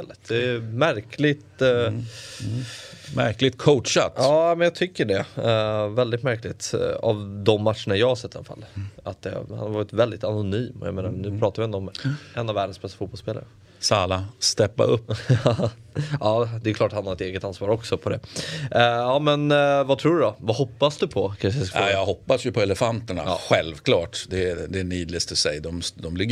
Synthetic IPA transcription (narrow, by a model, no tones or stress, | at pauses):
eːlət̪̚d̪ɛɛmæɾkʰlɪɡt̪ | mæ̰ɾklɪɡ̚t̪kʰoʊtʂa̰t̪ɑːnæmɛnjɑːt̪ʰʏkːəɖɛ | vɛld̪ɪt̪mæɾklɪt̪a̰vd̪ɔmːat̪ʂəɳajɑːɡhaɾʂɛt̪ːɪala̰fa̰lːa̰t̪̚d̪ɛ̰ha̰nhaɾvɑːɾɪt̪vɛld̪ɪt̪anʊnyːmɔja̰meːnaɾnʉ̟ːpʰɾɑːt̪avɪɛnd̪ɔɔmɛnːavæːɖənsbɛst̪afuːt̪pɔlspeːla̰ɾə | saːlast̪ɛpːa̰ʔɵpː | ɑːd̪ɛjʉkʰlɑːʈhanhaɾɪt̪eːɡət̪ansvɑːɾɔksɔpʰɔd̪ɛ̰ | ɑːmɛnvat̪ʰɾuːɖɵd̪ɔvahɔpːasd̪ɵpʰɔkʰanʂsajɑːɡɦɔpːasjɵpʰɔɛlɛfant̪əɳa̰ɧɛlvkʰlɑːʈd̪ɛd̪ɛːɳiːd̪lɪst̪ɔsɛjd̪ɔmd̪ɔmlɪɡːə